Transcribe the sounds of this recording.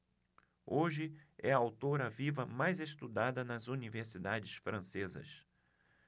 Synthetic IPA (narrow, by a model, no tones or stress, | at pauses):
oʒɪɛɐawt̪oɾɐvivɐmajzeʃt̪ud̪ad̪ɐnɐzuniveɾsid̪ad͡ʒɪsfɾɐ̃sezɐ̰s